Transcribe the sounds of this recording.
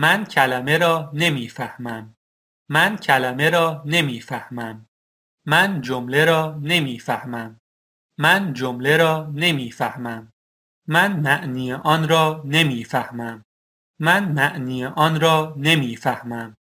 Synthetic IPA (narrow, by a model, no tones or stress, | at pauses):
mæncʰælæme̞ɾɒːne̞miːfæhmæmː | æncʰælæme̞ɾɒːne̞miːfæhmæmː | ænd͡ʒomle̞ɾɒːne̞miːfæhmæmː | ænd͡ʒomle̞ɾɒːne̞miːfæhmæmː | ænmæʔniːeʔɒːnɾɒːne̞miːfæhmæmː | ænmæʔniːeʔɒːnɾɒːne̞miːfæhmæm